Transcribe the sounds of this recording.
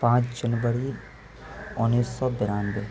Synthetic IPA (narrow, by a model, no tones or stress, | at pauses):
pãːt͡ʃd͡ʒənʋəɾi | ʊnːiːsːɔːbɪɾaːnbe